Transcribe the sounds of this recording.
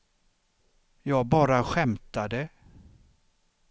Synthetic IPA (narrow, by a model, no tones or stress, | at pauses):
jɑːɡ̚bɑːɾaɧɛmt̪ad̪ə